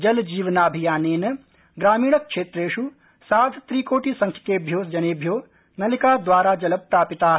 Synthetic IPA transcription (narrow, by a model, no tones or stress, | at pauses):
d͡ʒɐld͡ʒiːʋɐnaːɐbʱijaːneːnɐ | ɡɾaːmiːɽɐk̚ʂeːt̪ɾeːʃu | saːd̪ʱt̪ɾiːkoːʈiːsɐŋkʰjɐ̥keːbʱjoːsd͡ʒɐneːbʱjoː | nɐlikaːd̪ʋaːɾaːd͡ʒɐlɐp̚pɾaːpit̪aːɦ